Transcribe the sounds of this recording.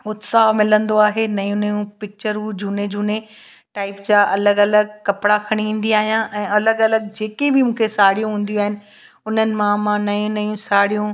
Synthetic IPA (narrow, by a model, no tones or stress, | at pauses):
ʊt̪samɪlə̃nd̪oaːɦenɐjũnɐjũpɪk̚t͡ɕəɾud͡ʑuːned͡ʑuːne | ʈaːɪpd͡ʑaʔɐləɡɐləɡ̚kɐpɽakʰɐɽ̃iʋĩːn̆d̪iaːɦijãʔɛ̃ːɐləɡɐləɡ̚d͡ʑeːkebɪmũːkʰesaːɽijũɦũːn̆d̪ijuaːɦɪnɪ̆ | ʊn̤ənɪ̆mãmãnɐjũnɐjũsaːɽijũ